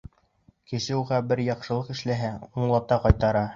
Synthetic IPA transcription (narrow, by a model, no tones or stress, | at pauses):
kɘ̆ʃɘuʁɑbɘɾjɑqʃɤ̆lˠɤqɘ̆ʃlæɦæuɴlˠɑp̚t̪ɑqɑjt̪ɑɾɑ